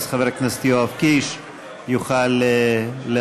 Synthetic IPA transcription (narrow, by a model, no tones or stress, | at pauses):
sχavehaknast̪ioafkiʃ | juχaleːe